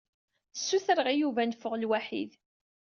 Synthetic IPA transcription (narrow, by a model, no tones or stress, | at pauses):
θə̥sːuθɾəʁijuvænfəʁlwaħḭð